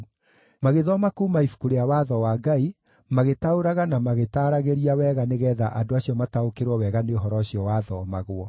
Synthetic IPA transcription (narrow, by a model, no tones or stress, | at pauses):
maɣeðɔmakumaifu̥kuɾeawaːðɔwaːɡai | maɣetaoɾaɣanamaɣetaɾaɣeɾiawɛːɣaneɣɛːðaʔadoaɕiɔmataokeɾwɔwɛɣaneoɦɔɾɔɕiɔwaːðɔmaɣwɔ